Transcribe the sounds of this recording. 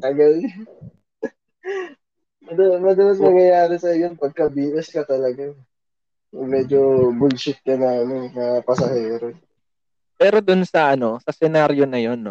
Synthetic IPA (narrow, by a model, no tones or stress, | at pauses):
ʔɐɡal | mɐd̪ɐmɐd̪ɐlɐt̪mɐŋjɐjaːɾɪsɐjonpɐɡ̚kɐbiːʔɛskɐt̪ɐlɐɡa | kʊŋmɛːd͡ʒobʊɡʃɪt̪̚kɐnamɪnŋɐpɐsɐhɛːɾo | pɛːɾo̞d̪ʊnsɐʔɐno̞sɐsɛnaɾjo̞nɐjo̞nːo